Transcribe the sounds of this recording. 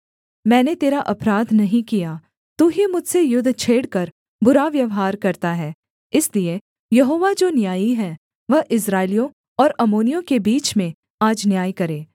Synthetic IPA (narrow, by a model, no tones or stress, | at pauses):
mɛ̃ːnet̪eːɾaʔɐpɾaːd̪nɐɦĩkija | t̪uːɦimʊd͡ʒʱsejʊd̪ʱːt͡ʃʰeːɽkɐɾ | bʊɾaʋjɐʋɦaːɾkɐɾt̪aɦɛː | ɪslie | jɐɦoːʋad͡ʒoːnjaːiɦɛː | ʋɐʔɪsɾaːɪlijõ | ɔːɾɐmoːnijõkebiːt͡ʃmẽ | aːd͡ʒnjaːjkɐɾeː